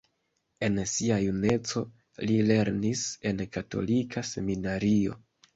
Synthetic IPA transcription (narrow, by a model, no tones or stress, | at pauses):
e̞nsiajune̞t͡so̞ | lile̞ɾnise̞nkato̞̰likʰase̞minaɾio̞̰